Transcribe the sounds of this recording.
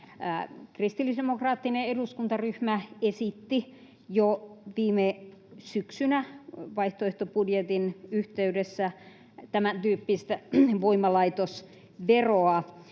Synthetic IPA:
krist̪ilːisemokrɑːt̪ːineeduskunt̪ɑryhmæesit̪ːi | joʋiːmesyksynæʋɑiht̪oeht̪opudjet̪inyht̪eydesːæ | t̪æmænt̪yːpːist̪æʋoimɑlɑit̪os | ʋeroɑ

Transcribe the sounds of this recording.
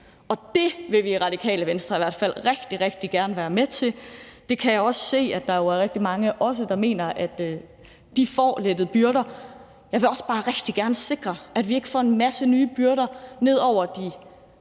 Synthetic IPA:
ɒ̽d̥e̝ʋe̝ʋiʁɑ̈d̥ikʰɛ̰ːləʋensd̥ʁɐiʋæɐ̰d̥fæl̰ʁeɡ̥d̥iʁeɡ̥̚d̥iɡ̥æɐnəʋæːɐmet͡sʰe̝ld̥e̝kʰæjɑ̈ɪɒ̽sse̝̰ːæd̥ɑ̈jo̝æɐʁɛɡ̥̚d̥imɑ̈ŋəʔɒ̽s̬əd̥ɑ̈me̝̰ːnɐʔæd̥ | d̥ifɒ̰ːled̥əð̞̩ˠb̥yɐɾ̥ɐ | jɑ̈ɪʋe̝ɒ̽sb̥ɑ̈ːʁeɡ̥d̥iɡ̥æɐnəse̝ɡ̥ʁɐæd̥ʋie̝ɡ̥əfɒ̰ːe̝nmæsənyːb̥yɐɾɐne̝ð̞̰ˠɒʊ̰ɐd̥i

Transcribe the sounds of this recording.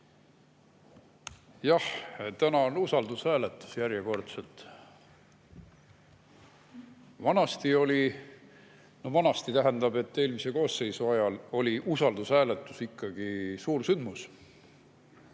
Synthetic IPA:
jɑht̪ænɑonusɑld̪ushæːlet̪ːˑu̥sjæɾjeko̞rt̪selt̪ | vɑnɑst̪io̞li | novɑnɑst̪it̪æɦend̪ɑb̥e̞t̪ːe̞ːlmise̞koːsːe̞jsuɑjɑlo̞lʲiʔusɑld̪̥ushæːlet̪ːˑusikːɑɡ̥isuːrsynd̪mus

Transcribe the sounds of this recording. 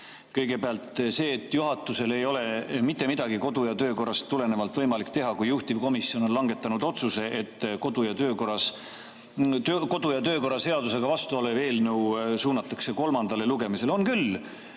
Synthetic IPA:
kɤjɡe̞peɑlt̪ˑse̞ːt̪ːˑjuɦɑt̪ːˑuse̞le̞jo̞le̞mit̪ːe̞mid̪̥ɑɡiko̞d̪ujɑt̪ø̞ːko̞rːˑɑst̪ːule̞ne̞vɑlt̪ːˑvɤjmɑlikt̪e̞ɦɑkujːuht̪ivko̞misio̞nonlɑŋɡe̞t̪ːˑɑnud̪̥o̞t̪suse̞ʔet̪ːko̞d̪ujɑt̪øːko̞rɑs | øko̞d̪ujɑt̪øːko̞ɾˑɑse̞ɑd̪use̞ɡ̥ɑvɑst̪uoleve̞ːlnɤwsuːnɑt̪ːˑɑkse̞ko̞lmɑnd̪̥ɑle̞luɡ̥e̞mise̞lo̞nkyl

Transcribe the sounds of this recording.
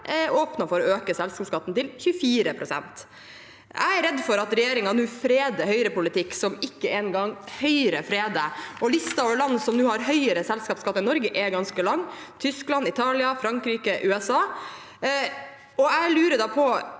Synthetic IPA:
oːpnɑfɔɾɔøːkəsɛlskɑːpskɑt̪ːn̩t̪ɪlçʉfiːɾəpʰɾʊsɛ̰nt̪ | ʔæ̰ɪæɾɛd̪ːfɔɾɑt̪ɾɛjeːɾɪŋɑnuːfɾeːd̪əhœʏɾəpʊlɪt̪ɪkːsɔmɪkːəeːnɡɑŋhœʏɾəfɾeːd̪əɔlɪst̪ɑɔlɑnsɔmnuːhɑɾɦœʏəɾəsɛlskɑːpskɑt̪ːɑɪnɔɾɡəʔɛɡɑnskəlɑŋː | t̪ʰʏsklɑnɪt̪ʰɑːlɪɑfɾɑŋkɾiːkəʔʉːɛsɑː | ɔæɪlʉːɾəd̪ɑːpʰɔ

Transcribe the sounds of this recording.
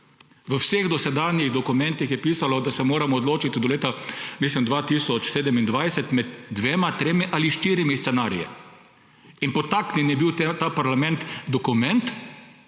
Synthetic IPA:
ʋəwseɣd̪ɔsɛd̪aːnjiɣd̪ɔkumɛ̃nt̪ixjɛpiːsalɔd̪asɛmoːɾamɔːd̪loːt͡ʃit̪id̪ɔleːt̪amislimd̪ʋaːt̪iːsɔt͡ʃseːd̪ɛmind̪ʋajsɛt̪mɛd̪ːʋeːmat̪ɾeːmiʔaliʃt̪iːɾimist̪sɛnaːɾḭjɛ̰ | inpɔt̪aknɛnjɛbiw̪t̪aːpaɾlamɛ̃nt̪d̪ɔkumɛnt̪

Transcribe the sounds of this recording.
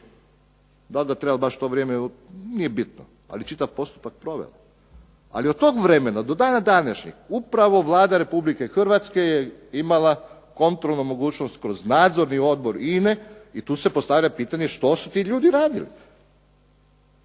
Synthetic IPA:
d̪alɡat̪ɾebabaʃt̪o̞ʋɾjeːmeu | niːjebit̪no̰ | a̰lit͡ʃit̪aʋpo̞st̪u̥pak̚pɾo̞ʋḛla | a̰liot̪̚t̪oːɡʋɾeme̞nad̪o̞d̪aːnad̪anaʃɲḭxupɾaʋo̞ʋlˠaːd̪aɾe̞publike̞xrʋat̪ske̞jeimalˠa | ko̞nt̪ɾolˠnumo̞ɡuːt͡ʃnost̪kɾo̞znaːd̪zo̞ɾnio̞d̪̚bo̞ɾineit̪uːse̞po̞st̪aʋʎapiːt̪aɲeʃt̪o̞sut̪iːʎuːd̪iɾaːd̪ḭlḭ

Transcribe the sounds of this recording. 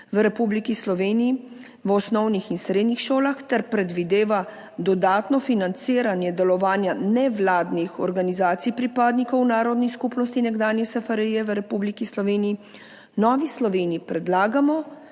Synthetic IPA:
ʋəɾɛpublikislɔʋeːniji | ʋɔsnɔwnixinst̪ɾeːd̪nixʃoːlaxt̪ɛɾpɾɛd̪ʋid̪eːʋa | d̪ɔd̪aːt̪nɔfinant̪siːɾanjɛd̪ɛlɔʋaːnjanɛʋlaːd̪nixɔɾɡanizaːt̪sijpɾipaːd̪nikɔwnaːɾɔd̪niskupnɔst̪inɛɡd̪aːnjɛsɛfaɾijɛʋəɾɛpublikislɔʋeːnii | nɔːʋislɔʋeːnijipɾɛd̪laːɡamɔ

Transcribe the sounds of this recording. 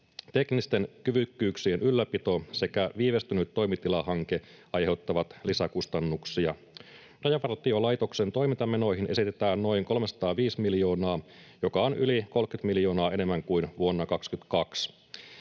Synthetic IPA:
t̪e̞knist̪e̞nkyʋykːyːksienʔylːæpit̪o̞se̞kæʋiːʋe̞st̪ynyt̪ːo̞jmit̪ilɑhɑŋke̞ʔɑjhe̞wt̪ːɑʋɑt̪lisækust̪ɑnːuksiɑ | rɑjɑʋɑrt̪iolɑjt̪o̞kse̞nt̪o̞jmint̪ɑmeno̞jɦinʔe̞sit̪et̪æːnno̞ijŋko̞lmesɑ̥t̪ɑːʋiːsmiljo̞ːnɑːjo̞kɑonyliko̞lkyt̪miljo̞ːnɑːe̞ne̞mːæŋkuinʋuonːɑkɑkskyt̪kɑks

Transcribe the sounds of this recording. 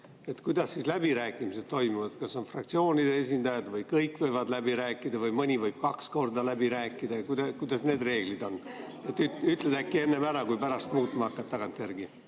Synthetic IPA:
e̞t̪kujd̪̥ɑsːiːslæb̥iɾæːkːˑimise̞d̪̥̚t̪o̞jmuvɑd̪kɑso̞nfrɑk̚t̪sio̞ːnʲid̪ee̞s̬ʲind̪ɑjɑd̪vɤjkɤjkːˑvɤjvɑd̪læbiɾæːkːˑid̪ɑvɤjmɤnʲivɤjb̥̚kɑksko̞rd̪ɑlæbiɾæːkːˑid̪̥ɑjɑkud̪ɑkujd̪̥ɑsne̞ːd̪re̞ːɡ̥lid̪o̞nː | e̞t̪ːˑytyt̪ˑled̪̥ækːie̞nːemæɾɑkujpæɾɑst̪̚muːt̪ːˑmɑɑkːˑɑt̪ːɑɡ̥ɑnt̪ːˑerɡi

